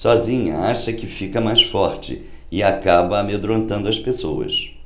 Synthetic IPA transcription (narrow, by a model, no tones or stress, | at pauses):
sɔzĩɲɐ̰aʃɐkɪfikɐmajsfɔɾt͡ʃɪ̰ | ɪakabɐːmed̪ɾõnt̪ɐ̃nd̪ʊɐspesowɐ̰s